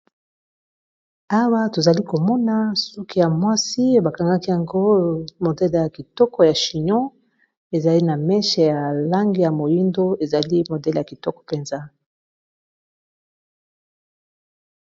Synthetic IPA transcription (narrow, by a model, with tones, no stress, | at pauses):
a˦wa˦to˨za˨li˦ko˨mɔ˦na˦su˦ki˦ja˨mwa˦si˦ba˨ka˨ŋɡa˦ki˦ja˨ŋɡo˦mo˨dɛ˦lja˨ki˨tɔ˦kɔ˨ja˨ʃi˨ɲɔ̃˦ | e˨za˨li˦na˨mɛ˦ʃɛ˨ja˨la˦ŋɡi˦ja˨mo˨ji˦ndo˦e˨za˨li˦mo˨dɛ˦lja˨ki˨tɔ˦kɔ̥˨pe˨nza˦